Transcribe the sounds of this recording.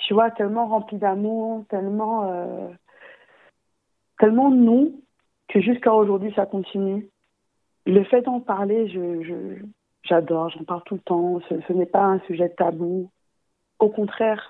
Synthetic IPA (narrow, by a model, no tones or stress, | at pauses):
t̪yvwat̪ɛlmɑ̃ʁɑ̃plid̪amuʁt̪ɛlmɑ̃ø | t̪ɛlmɑ̃nũ | kʰəʒyskaoʒuʁd̪ɥisakɔ̃t̪ʰiny | ləfɛd̪ɑ̃paʁleʒəʒə | ʒad̪ɔʁʒɑ̃paʁlt̪ulət̪ɑ̃səsənɛpaɛ̃syʒɛt̪abu | okɔ̃t̪χɛʁ